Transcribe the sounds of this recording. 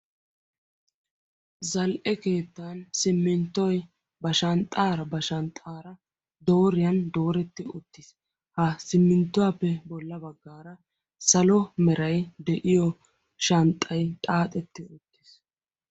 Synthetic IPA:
zɐlʔɛke̞ːt̪ːansɪmːɪnt̪ːɔj | bɐʃɐnt̪ʼːaːɾɐbɐʃɐnt̪ʼaːɾɐ | d̪o̞ːɾɪjɐnd̪o̞ːɾɛt̪ːɪʊt̪ːɪs | hɐsɪmːɪnt̪ːʊwaːpːɛbɔlːɐbɐɡːaːɾɐ | sɐlɔmɛɾɐjd̪ɛʔɪjɔ | ʃɐnt̪ʼːɐjt̪ʼaːt̪ʼɛt̪ːɪʊt̪ːɪs

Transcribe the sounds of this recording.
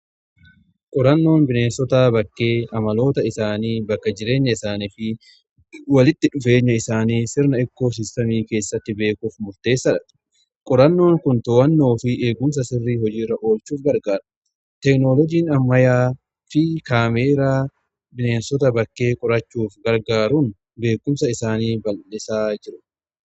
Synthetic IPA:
kʼɔɾɐnːo̞ːnbɪne̞ːnsɔt̪aːbɐkːe̞ːɐmɐlo̞ːt̪ɐɪsaːniːbɐkːɐd͡ʒɪɾe̞ːɲːɐɪsaːnifɪ | wɐlɪt̪ːɪᶑʊfe̞ːɲːɐɪsaːniːsɪɾnɐɪkːo̞ːs̬ɪst̪ɐmiːke̞ːsːɐt̪ːɪbe̞ːkuːfmʊɾt̪e̞ːsːɐᶑɐ̥ | kʼɔɾɐnːo̞ːŋkʊnt̪oːwɐnːo̞ːfɪʔe̞ːɡʊms̬ɐsɪrːiːhɔd͡ʒiːrːɐʔo̞ːlt͡ʃuːfɡɐɾɡaːɾɐ̥ | t̪ɛknoːlɔd͡ʒiːnɐmːɐjaː | fɪkaːmeːɾaː | bɪneːnsɔt̪ɐbɐkːe̞ːkʼɔɾɐt͡ʃːuːfɡɐɾɡaːɾuːn | be̞ːkːʊmsɐɪsaːniːbɐlːɛsaːd͡ʒɪɾʊᶑ

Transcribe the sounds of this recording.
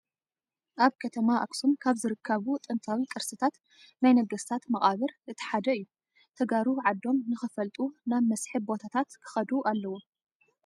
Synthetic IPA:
ʔaβkʰɐt̪ʰɐmaʔa̰ksumkʰaβzɨɾɨkʰːɐβut̪ʼɨnt̪ʰʼawikʼɨɾsɨt̪ʰat̪ | najnɐɡɐst̪ʰat̪mɐχʼaβɨɾɨt̪ʰɨ̥ħad̪ɐɨjːu | t̪ʰɐɡaɾuʕad̪ːo̞mnɨxɨfɐlt̪ʼunaβmɐsħɨbbo̞t̪ʰat̪ʰat̪kʰɨ̥xɐd̪uʔalːɐwu

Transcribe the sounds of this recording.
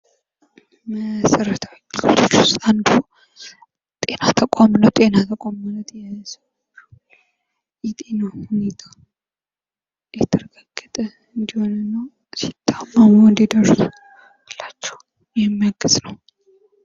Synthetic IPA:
məsəɾət̪ʰawikːilo̰t̪ʰot͡ʃːʊst̪ʼand̪əho | t̪ʼe̞nat̪ʰəkʷʼamnəwt̪ʼe̞nat̪ʰəkʼomlət̪jɛsəwat͡ʃːɛ | jɛt̪ʼe̞nahune̞t̪ʰḁ | jɛt̪ʰəɾəɡaɡːət̪ʼə | ɨnd̪iho̞nɨnːəw | sit̪ʰːamːamund̪id̪əɾsu | lat͡ʃːɛ̥w | jɛmːijaɡɨznəw

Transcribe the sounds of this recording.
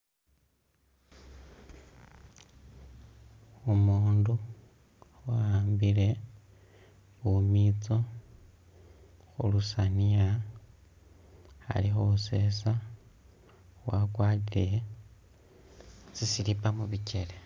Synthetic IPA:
omuːndu | waaːmbile̞ | βumit͡so | xṵlusania | a̰lixuuse̞sa | wakwaːtile | sisilipamuβice̞le

